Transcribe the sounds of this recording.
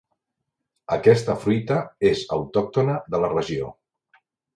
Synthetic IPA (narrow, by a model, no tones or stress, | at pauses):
əkɛst̪əfɾujt̪əezəwt̪ɔk̚t̪onəðələrəʒio̰